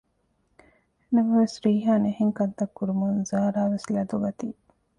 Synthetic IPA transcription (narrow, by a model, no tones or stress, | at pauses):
nɐmɐʋesɾiːɦaːneheŋkɐnt̪ɐkːuɾumunzaːɾaːʋeslɐd̪uɡɐt̪iː